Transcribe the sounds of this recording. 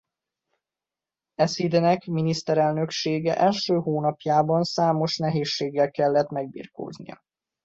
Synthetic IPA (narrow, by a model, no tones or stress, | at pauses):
ɛsid̪ɛnɛkminist̪ɛɾɛlnø̞kʃeːɡɛʔɛlʃøːɦoːnɒpjaːbɒnsaːmo̞ʃnɛɦeːʃːeːɡːɛlkɛlːɛt̪mɛɡ̚bḭːrko̰ːznḭjɒ̰